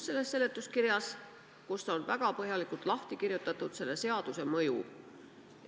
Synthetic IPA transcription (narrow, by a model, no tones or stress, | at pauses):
se̞lːe̞sːe̞lːe̞t̪ːˑuskiɾjɑs | kust̪ɑonvæɡ̥ɑpɤɦjɑlikˑult̪ˑlɑht̪ikirjut̪ːˑɑt̪ːˑud̪̥se̞lːe̞se̞ɑd̪̥use̞mɤjṵ